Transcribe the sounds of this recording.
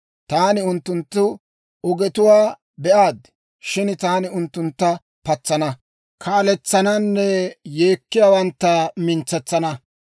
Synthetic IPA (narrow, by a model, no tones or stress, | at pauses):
t̪aːnɪʊnt̪ːʊnt̪ːʊ | ɔɡɛt̪ʊwaː | bɛʔaːd̪ | ʃɪnt̪aːnɪʊnt̪ːʊnt̪ːɐ | pɐt͡sːɐnɐ | kʰaːlɛt͡sːɐnɐnːɛjeːkːɪjaːwɐnt̪ːɐmɪnt͡sːɛt͡sːɐnɐ